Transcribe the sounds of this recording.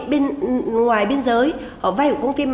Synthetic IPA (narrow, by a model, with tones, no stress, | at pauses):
ɓe˧nŋwaː˨˩jɓe˧ənzəː˨˦j | ʔəː˧˩vaː˧hḭ˧˨wkə˧wŋ͡mt̪i˧m